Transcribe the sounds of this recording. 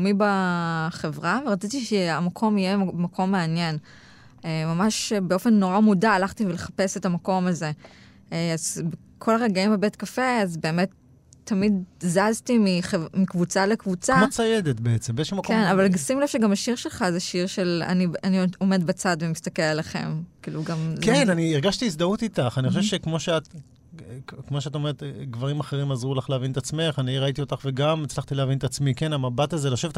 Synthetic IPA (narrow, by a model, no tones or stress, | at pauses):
mibaχevʁaveʁat͡sit̪iʃeamakʰo̞mijemakʰo̞mːeanje̞n | emamaʃbeo̞fe̞nːo̞ʁamudaːlaχtiveleχḁpe̞setamako̞maze̞ | eazbe | kʰo̞laʁeɡaimebetkafe̞azbe̞ːme̞tː | amidzaztimiχemikvut͡salekvut͡samat͡sajed̪etbeet͡sembezʃemakenavalɡasimlefʃeɡamaʃiʁʃe̞lχazeʃiʁʃe̞la̰nianio̞me̞dbat͡sadvemist̪akelalaχe̞̰mkiːluɡamkenaniːʁɡaʃtiis̬d̪aut̪itaχanixooʃeʃekmo̞ʃeat | kmo̞ʃeatome̞et̪ɡvaʁimaχeʁimazʁulaχleavinetat͡sme̞χaniʁait̪io̞t̪aχveɡamet͡slaχtileavinet̪at͡smikenamabat̪azeloʃevet